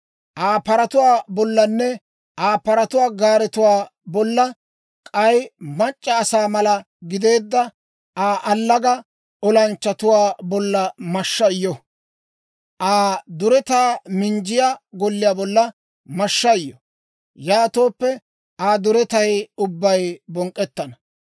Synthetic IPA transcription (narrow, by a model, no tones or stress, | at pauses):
ʔaːpɐɾɐt̪ʊwaːbɔlːɐnːɛ | ʔaːpɐɾɐt̪ʊwaːɡaːɾɛt̪ʊwaː | bɔlːɐ | kʼɐjmɐt͡ʃʼːɐːsaːmɐlɐ | ɡɪd̪e̞ːd̪ːɐ | ʔaːʔɐlːɐɡɐ | ɔlɐnt͡ʃːɐt̪ʊwaːbɔlːɐmɐʃːɐjːɔ | ʔaːd̪ʊɾɛt̪aːmɪnd͡ʒɪjaːɡɔlːɪjaːbɔlːɐ | mɐʃːɐjːɔ | jaːt̪o̞ːpːɛ | aːd̪ʊɾɛt̪ɐjʊbːɐjbɔŋkʼːɛt̪ːɐnɐ